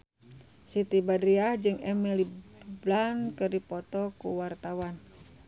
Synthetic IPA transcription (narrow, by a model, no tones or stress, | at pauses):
sit̪ibadɾiahd͡ʒɨŋɛmɛliblankɨrdipɔt̪ɔkṵwart̪awan